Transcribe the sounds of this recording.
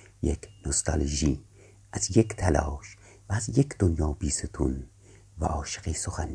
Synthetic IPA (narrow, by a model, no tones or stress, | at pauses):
jekʰnost̪ʰɑ̰lʒiː | ʔæzjekt̪ʰælɒ̰ːʃ | væːzjekʰd̪onjɒːbiːset̪ʰṵn | væ̰ʔɒːʃeɣiːsoxæn